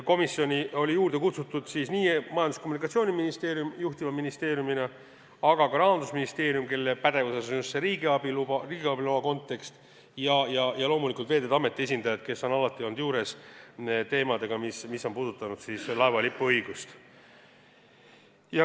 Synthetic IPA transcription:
ko̞misːjo̞nʲio̞lʲijuːɾd̪̥e̞kut̪sut̪ːˑud̪̥sisniːmɑjɑnd̪uskomunikːˑɑt̪sio̞ːnʲiminist̪e̞ːɾjumjuht̪ivɑminist̪e̞ːɾjumine | ɑɡ̥ɑkɑɾɑɦɑnd̪usminist̪e̞ːɾijumke̞lːepæd̪̥e̞vuse̞sonjust̪seɾiːɡiɑb̥iluriːɡiɑbiloɑko̞nt̪ːˑe̞kst̪ | jɑjɑjɑlo̞ːmulikˑult̪ve̞ːd̪ed̪ɑme̞t̪ːˑie̞sʲind̪ɑjɑd̪̥ke̞sːo̞nɑlɑt̪ːˑiond̪juːɾe̞s | t̪e̞ːmɑd̪̥e̞ɡ̥ɑmismisːo̞npuːd̪ut̪ːˑɑnud̪̥siːslɑevɑlipːˑuɤjɡ̥ust̪ | jɑ

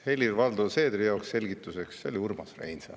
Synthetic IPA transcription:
he̞lʲirvɑld̪use̞ːd̪rijɑoksːe̞lʲɡit̪ːˑuse̞ksːeolʲiurmɑsrḛjnsɑ̰

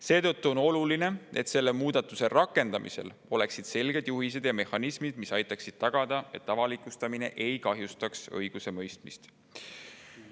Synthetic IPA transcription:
se̞ːt̪ɤt̪ːuo̞no̞luline̞e̞t̪se̞lːe̞muːd̪̥ɑt̪ːˑuse̞rɑkːˑe̞nd̪̥ɑmḭse̞̰l | o̞le̞ksid̪̥se̞lɡe̞d̪̥juɦis̬e̞d̪̥jɑme̞hɑnismid̪̥misɑjt̪ːˑɑksid̪̥̚t̪ɑɡ̥ɑd̪̥ɑe̞t̪ːɑvɑlikˑust̪ɑmine̞̰ʔe̞jkɑɦjust̪ɑksɤ̰jɡ̥use̞mɤjst̪mist̪

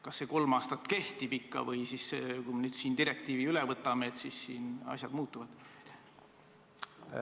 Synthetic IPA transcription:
kɑsːe̞ko̞lmɑːst̪ɑt̪ːˑke̞ht̪ib̥ikːɑ̰vɤjsiskujmenyːd̪̥siːnd̪iɾek̚t̪iːviylɛvɤt̪ːˑɑmeet̪sisːiːnɑ̰sʲjɑd̪̥muːt̪ːˑuvɑd̪̥t̪

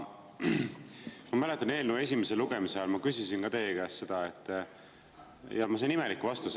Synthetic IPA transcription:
mɑmæle̞t̪ːˑɑne̞ːlnue̞s̬ʲimeseluɡ̥e̞miseɑlmɑkysisinkɑt̪e̞ːɡæsse̞d̪̥ɑet̪ːˑ | jɑmɑsenime̞likːvɑst̪us

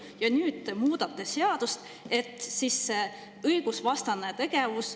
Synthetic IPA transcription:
jɑnyːd̪̥t̪emuːd̪̥ɑt̪ːe̞seɑd̪̥ust̪ | e̞t̪ːˑsisːe | ɤjɡ̥usvɑst̪ɑnet̪e̞ɡ̥e̞vus

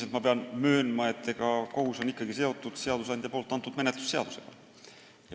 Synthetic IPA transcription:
sent̪mɑpiɑnmøːnmɑet̪ːekɑkohusonikːɑkiseot̪ːut̪seɑd̪usɑnt̪jɑpolt̪ːˑɑnt̪ːut̪menet̪ːˑy̥sseɑd̪usḛl̥ɑ̰ | j

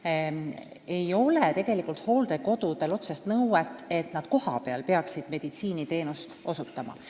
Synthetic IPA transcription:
e̞jo̞let̪e̞ɡ̥e̞likˑult̪ho̞ːld̪̥eko̞d̪ud̪̥e̞lo̞t̪sest̪nɤwet̪ˑːe̞t̪nɑd̪̥ko̞hɑ̰pe̞ɑ̰lpe̞ɑksid̪̥me̞d̪̥it̪siːnit̪e̞ːnust̪o̞sut̪ːˑɑmɑ̰

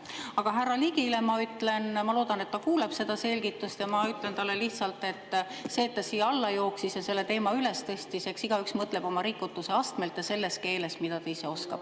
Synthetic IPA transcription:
ɑɡ̥ɑɦærːɑliɡ̥ilemɑyt̪ːˑle̞nmɑlo̞ːd̪̥ɑne̞t̪ːɑkuːleb̥se̞d̪ɑse̞lʲɡit̪ːˑust̪jɑmɑyt̪ˑle̞nt̪ɑlːeliht̪sɑlt̪ˑe̞t̪ˑːse̞ːt̪ːɑsijːɑlːɑjo̞ːksisjɑse̞lːe̞t̪e̞ːmɑyle̞st̪e̞st̪ise̞ksiɡ̥ɑyksmɤt̪ˑle̞b̥o̞mɑɾikːˑut̪ːˑuse̞ɑst̪me̞lt̪jɑse̞lːe̞ske̞ːle̞smid̪̥ɑt̪eiseo̞skɑ̰b̥

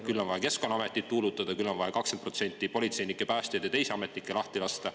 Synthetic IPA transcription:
kylːo̞nvɑjɑke̞skonːɑɑme̞t̪ːˑit̪ːuːlut̪ːˑɑd̪̥ɑkylːo̞nvɑjɑkɑksed̪̚pro̞t̪se̞nʲt̪ːˑipo̞lʲit̪se̞jnikːˑe̞pæːst̪ed̪jɑt̪e̞jseɑme̞t̪nikːˑe̞lɑht̪ilɑst̪ɑ

